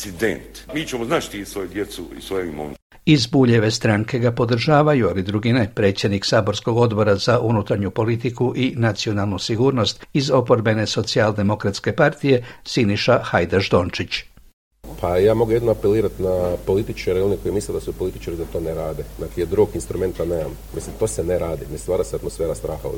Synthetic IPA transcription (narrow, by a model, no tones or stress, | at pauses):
sid̪ḛnt̪miːt͡ʃemoznat͡ʃt̪isʋojud̪jesuḭsʋojeimo̰ | izbuːʎe̞ʋe̞st̪ɾaŋke̞ɡapo̞d̪r̩ʒaːʋajualid̪ɾuɡine̞pɾe̞ːt̪sje̞d̪niksaːbo̞ɾsko̞ɡo̞d̪bo̞ɾazaʔunut̪aɾɲupo̞lit̪ikuʔinat̪sio̞nalˠnusiɡuːɾno̞st̪izo̞po̞ɾbe̞ne̞so̞t̪siald̪e̞mo̞kɾat̪ske̞paɾt̪ije̞siniʃaxajd̪aʒd̪o̞ːnt͡ʃit͡ɕ | pʰajaːmoɡujed̪noapeliːɾat̪napo̞lit̪it͡ʃaɾeo̞neko̞jmisled̪asupo̞lit̪i̥t͡ʃaɾid̪at̪o̞neɾaːd̪enakijed̪ɾuɡinst̪ɾume̞nt̪aneːmam | mislimt̪o̞ːseneɾaːd̪inest̪ʋaːɾaseat̪mosfeːɾast̪ɾaːxa̰